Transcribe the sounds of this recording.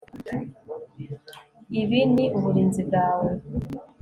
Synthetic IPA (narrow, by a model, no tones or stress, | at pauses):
iβiniʔuβuɾiːnzibɡaːwe